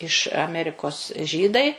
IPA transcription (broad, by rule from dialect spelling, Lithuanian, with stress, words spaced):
ɪʃ ɐˈmʲæːrʲɪkoːs ˈʒʲiːdɐɪ